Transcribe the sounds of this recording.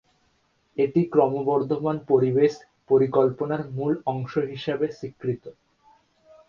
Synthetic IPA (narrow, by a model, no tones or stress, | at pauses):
eʈikɾɔmobɔɾd̪ʱomanpoɾibeʃ | poɾikolponaɾmulɔŋʃoɦiʃebeʃikːɾit̪o